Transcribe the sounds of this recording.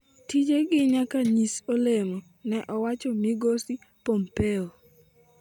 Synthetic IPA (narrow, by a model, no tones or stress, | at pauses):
tid͡ʒeɡɪɲakaɲisolemo | nɛʔɔwat͡ʃɔmiɡosi | pompeo